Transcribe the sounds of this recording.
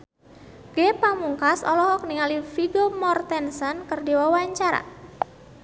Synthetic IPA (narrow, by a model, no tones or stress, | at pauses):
ɡ̥epamuŋkasɔlɔɦɔk̚niŋalifiɡomɔrt̪ɛnsɔnkərdiwawaɲt͡ʃaɾa̰